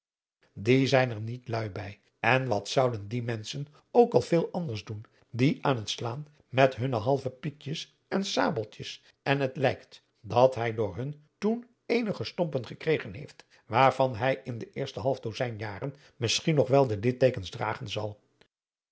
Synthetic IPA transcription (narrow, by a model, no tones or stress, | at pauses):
dizɛjnəɹnitlœɥbɛj | ɛnʋɑtsɑwdəndimɛnsən | owkɑlˠvɪːlˠʔɑndəɹzdun | diʔaːnɦətslaːn | mɛtɦɵnəɦɑlˠvəpikjəs | ɛnsa̰ːbəlˠtjəs | ɛnətlɛjkt | dɑtɦɛjdʊːɹɦɵn | tun | ejnəχəstɔmpənχəkrejχənɦḛjft | ʋaːɹv̥ɑnɦɛjɪndəʔɪːɹstəɦɑlˠfdozɛjnjaːrən | mɪsχinɔχʋɛlˠdədɪtejkənzdra̰ːχənzɑlˠ